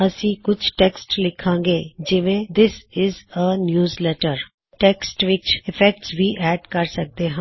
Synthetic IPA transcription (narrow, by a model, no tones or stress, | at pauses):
əsĩːkʊt͡ʃʰʈeːksʈlɪkʰːãːŋɡeːd͡ʒɪʋẽd̪ɪsɪzənjuːzlɛːʈəɾ | ʈeːksʈʋɪt͡ʃʰɪfʰɛk̚ʈsʋiːʔɛːɖkɐɾsɐk̚d̪eɦã